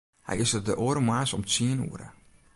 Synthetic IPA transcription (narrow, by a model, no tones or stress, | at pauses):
hɛ̰jɪsərdəʔoəɾəmwaːsɔmt͡siənṵːəɾə̰